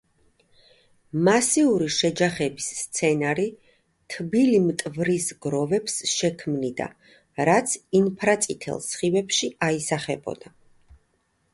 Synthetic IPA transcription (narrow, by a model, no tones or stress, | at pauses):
masiuɾiʃɛd͡ʒaχɛbisːt̪sʰɛnaɾi | t̪ʰbilimt̪ʼvɾisɡɾɔvɛpsʃɛkʰmnid̪a̰ | ɾat̪sʰinpʰɾat̪sʼit̪ʰɛ̰lˠsχivɛpʃiaisaχɛbɔ̰d̪̥a